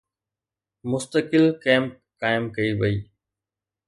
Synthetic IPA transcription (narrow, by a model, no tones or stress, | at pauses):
mʊst̪əkɪlkeːm | kaːɪmkɐiʋɐiː